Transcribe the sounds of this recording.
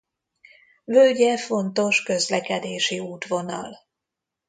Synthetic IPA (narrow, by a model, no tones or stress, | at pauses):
vølɟɛfo̞nt̪o̞ʃkø̞zlɛkɛd̪eːʃiuːt̪vo̞nɒ̰l